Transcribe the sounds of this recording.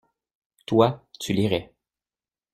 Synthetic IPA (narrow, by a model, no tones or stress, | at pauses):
t̪wat̪yliʁɛ